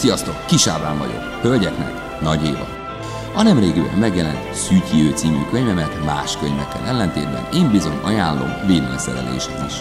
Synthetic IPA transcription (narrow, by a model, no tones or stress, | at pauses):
sijɒst̪o̞kːiʃaːvaːɱvɒ̰ɟo̞̰khølɟɛknɛ̰k | nɒɟeːvɒ̰ | ɒnɛmreːɡibɛ̰mːɛɡjɛlɛn | syːkhiøːt̪siːmyːkøɲvɛmɛt̪maːʃkøɲvɛkːɛ̰nʔɛlːɛnt̪eːd̪̚bɛ̰neːmbizo̞ɲɒjaːlːo̞̰mveːleːɲsɛɾɛ̰lḛːʃɛkiʃ